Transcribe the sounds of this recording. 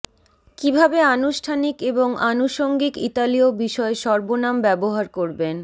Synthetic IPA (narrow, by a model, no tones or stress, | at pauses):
kibʱabeanuʃʈʰanikeboŋanuʃoŋɡikit̪aliobiʃɔeʃɔɾbonambɛboɦaɾkoɾben